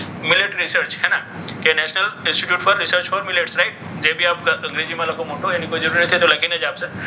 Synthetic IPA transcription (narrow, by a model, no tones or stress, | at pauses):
mileʈɾɾisəɾt͡ɕkʰɛna | kenɛɕnəlinsʈiʈjuʈfɔɾːisəɾt͡ɕfɔɾmileʈsɾajʈ̚ | d͡ʑebʱiːapəŋɡɾed͡ʑiːməlakomoʈojanːiːkojd͡zəɾuɾnət̪ʰet̪eolaɡinəd͡ʑeapsə